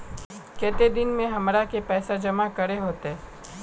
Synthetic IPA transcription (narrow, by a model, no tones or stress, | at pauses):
kɛːt̪ed̪ɪnmẽɦɐmɾakepɛːsad͡ʒɐmakɐɾeɦoːt̪eɦɛː